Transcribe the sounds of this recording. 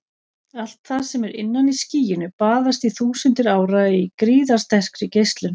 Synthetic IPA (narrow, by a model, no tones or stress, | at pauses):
al̥t̪θað̥sɛmɛɾɪ̰nːanisciːjɪnʏpaːðast̪iθuːsʏnt̪ɪɾaːwɾaikɾiːðaɾ̥st̪ɛr̥kɾʏcejst̪lʏn